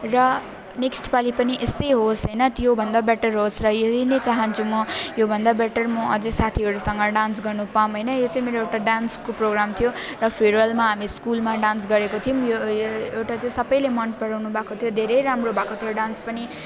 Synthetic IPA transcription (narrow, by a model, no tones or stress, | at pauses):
rʌ | neksʈpalipʌniʔest̪ʌjɦosɦʌjnʌt̪jobʱʌnd̪abeʈʌrɦosrʌjed̪inet͡saɦʌnt͡sʰumʌjobʱʌnd̪abeʈʌrmʌʔʌd͡zʌsat̪ʰiɦʌɽusʌŋɡʌɖansɡʌrnupamɦʌjnʌjot͡sãĩmeɾoewʈaɖanskoproɡɾamt̪ʰijorʌpʰeɽʌlmaɦamiskulmaɖansɡʌɾekot̪ʰijumjoewʈat͡saĩsʌbʌjlemʌnpʌɽawnubʱakot̪ʰijod̪ʱeɾʌjɾamrobʱakot̪ʰioɖãnspʌni